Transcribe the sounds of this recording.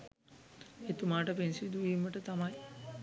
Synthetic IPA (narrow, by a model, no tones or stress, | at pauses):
et̪umaːʈəpensiid̪uʋiːmːəʈət̪amɐj